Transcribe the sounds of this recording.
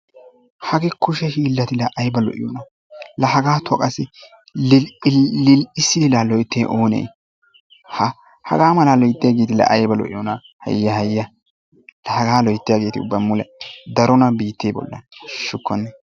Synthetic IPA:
hɐɡɛkʊʃɛhiːlːɐt̪ɪlɐʔɐjbɐlɔ̰ʔɪ̰jɔnɐ | lɐhɐɡaːt̪ʰɔkʼɐsɪ | ɪɪsːɪd̪ɪlaːlɔjt̪ːeːʔoːnḛː | hɐ | hɐ̰ɡaːmɐlalɔjɪt̪ːɪjaɡeːt̪ɪlɐ̰ʔɐjbɐlɔ̰ʔɪ̰jɔnɐ | hɐ̰jːɐhɐjːɐ | lɐhɐɡaːlɔjt̪ːɪjɐɡeːt̪ɪʊ̰bːɐmːʊlɛd̪ɐɾɔnɐbiːt̪ːeːbɔ̰lːɐ̰nʃʊkːɔnːɛ

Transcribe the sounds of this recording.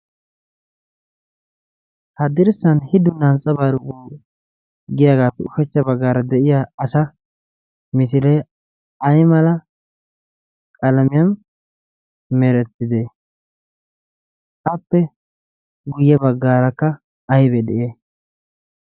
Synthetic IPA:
hɐd̪ɪɾsɐnhɪd̪ʊnɐnt͡sʼːɐbaːɾʊkuː | ɡɪjaːɡaːpːɛʊʃɛt͡ʃːɐbɐɡːaːɾɐd̪ɛʔɪjaɐsɐ | mɪs̬ɪlɛ | ɐjmɐlɐ | kʼɐlɐmɪjɐm | mɛɾɛt̪ːɪd̪eː | ɐpːɛ | ɡʊjːɛbɐɡːaːɾɐkːɐː | jbɛd̪ɛʔeː

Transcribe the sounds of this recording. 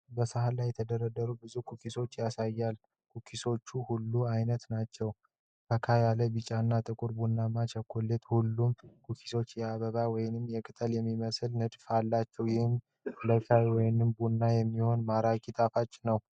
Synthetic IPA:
bəsəhalajːɛt̪ʰəd̪əɾəd̪əɾubɨzukʰukʰiso̞t͡ʃːjasajːal | kʰukʰiso̞t͡ʃːuhulːuajnət̪nat͡ʃːɛw | kʰəkʰajaləbɨt͡ʃʼanːat̪ʼɨkʼuɾbunːamat͡ʃʰɛkʰolːet̪hulːumkʰukʰi̥so̞t͡ʃːjɛaβəβawɔjɪnɨmːjɛkʼɨt̪ʼəljɛmːiməsɨlnɨd̪falːat͡ʃːɛwjɪhɨm | ləkʰajwɔjnɨmbunːajɛmːiho̞nmaɾakʰʼit̪ʼafat͡ʃʼːnəw

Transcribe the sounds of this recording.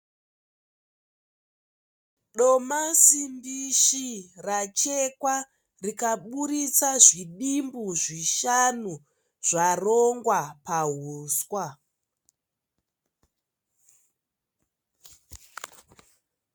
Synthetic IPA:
ɗomasimbiʃirat͡ʃekwa | rikaɓuɾit͡saʐiɗimbuʐiʃanu | ʐ̥aroŋɡwapaɦuːswa

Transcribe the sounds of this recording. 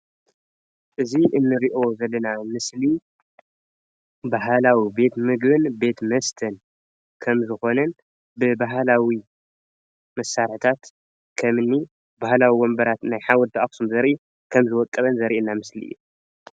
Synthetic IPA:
ʔɨziʔɨnːɨɾiʔo̞zɐlːɐnamɨsli | baɦalawibe̞t̪mɨɡbɨnbe̞t̪mɐst̪ʰɐn | kʰɐmzɨxo̞nɐn | bɨbaɦlawi | mɐsːaɾħt̪ʰat̪ | kʰɐmɨnːi | bahlawiwombɐɾat̪najħawɔd̪aʔaksumzɐɾʔi | kʰɐmzɨwɔkʼːɐβɐnzɐɾiʔɨnːamɨslḭu

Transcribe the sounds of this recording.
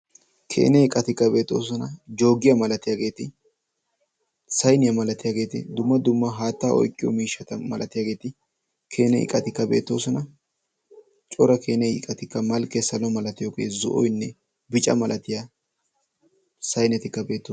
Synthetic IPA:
kʰḛːnɛɪkʼɐt̪ɪkːɐbe̞ːt̪ːo̞̰ːs̬ɔnɐd͡ʒo̞ːɡɪjamɐlɐt̪ɪjaːɡe̞ːt̪ɪ | sɐjnɪjɐmɐlɐt̪ɪjaːɡe̞ːt̪ɪ̰d̪ʊmːɐd̪ʊmːɐɦaːt̪ːaːʔɔ̰jkʼːɪjɔ̰miːʃːɐt̪ɐmɐlʔɐt̪ɪjaːɡe̞ːt̪ɪ | kʰe̞ːnɛɪ̰kʼɐt̪ɪkːɐbe̞̰ːt̪ːo̞ːsɔnɐ | t͡ʃʼɔɾɐkʰe̞ːnɛɪ̰kʼɐt̪ɪkːɐmɐlkːesɐlɔmɐlɐt̪ɪjoːɡeːzɔ̰ʔɔjnːɛ | bɪt͡ʃʼɐ̰mɐlʔɐt̪ɪja | sɐjnɛt̪ɪkːɐbe̞ːt̪ːo

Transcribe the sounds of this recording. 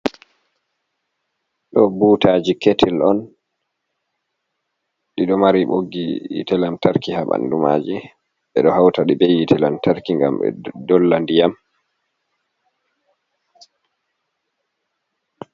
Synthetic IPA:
ɗɔbuːtaːd͡ʒiketʰilɔn | ɗiɗɔmaɾiɓoɡːijḭtɛlamtaɾkihaɓa̰ndumaːd͡ʒi | ɓɛɗɔhawtaɗiɓejitʰɛlamtaɾkiŋɡa̰mɛ̰dɔlːandijam

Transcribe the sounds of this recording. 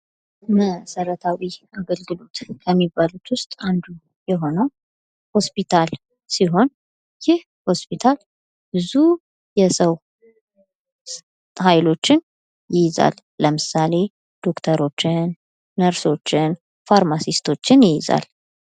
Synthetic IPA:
məsəɾət̪ʰawiaɡəlɡɨlo̞t̪kʰəmːibːalut̪ʰwʊst̪ʼand̪u | jɛɦo̞nəw | ho̞spit̪ʰal | siɦo̞n | jɪh | ho̞spit̪ʰal | bɨzu | jɛsəw | hajlo̞t͡ʃːɪn | jɪjza̰lːəmɨsale̞ | d̪̥o̞kt̪ʰəɾo̞t͡ʃːɪnː | əɾso̞t͡ʃːɪn | faɾmasist̪ʰo̞t͡ʃːɪnjɪjɪza̰l

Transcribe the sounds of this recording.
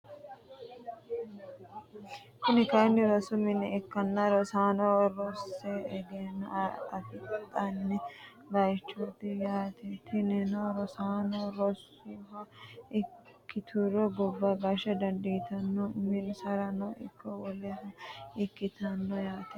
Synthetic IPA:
t̪ɪnɪkɐɪnːɪɾɔsʊmɪnɛɛkːɐnːɐɾɔsaːnɔɾɔsːɛɛɡ̪enɐɐfɪt̪ʼɐnnɛ | bɐjt͡ʃːot̪ɪjaːt̪ɛt̪ʰɪnɛnɔɾɔsaːnoɾɔs | iɦɐɪ | kːɪt̪ʰuɾɔɡɔbːɐbaʃɐd̪ɐnd̪ɪɡt̪ɐnːɔmɪnsɐɾɐnɔʔɪkːɔwɔlɛhɐɪkːɪt̪ɐnːɔjaːt̪ɛ

